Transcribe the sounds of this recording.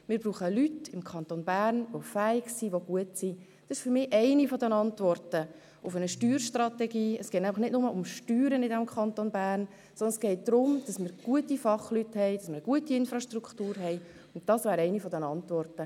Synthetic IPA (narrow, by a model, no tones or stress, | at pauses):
mɪːɾbruːχəlytɪmkʰɑnt̪onbæːrnʋofæɪɡsiːʋoɡ̥uətsi | d̥ɑsɪʃfʏɾmɪːʔɛɪnifɔdɛnɑntʋɔrtə | ʊfənəʃtyːɾʃtrɑtɛɡiːəsɡɛt̚næfləχnɪtnʊməʔʊmʃtyːɾənɪdɛmkʰχɑntonbæːrn | sɔndənsɡ̥ɛɪt̚d̥̪ɾʊmd̥ɑsmɪːɾɡ̥uətifɑχlythɛɪd̥ɑsmɪːɾəɡuətiɪnfɾɑʃtruktuːɾɦɛɪ | ʊntd̥ɑsʋæːɾɛɪnifɔdɛnɑntʋɔrtə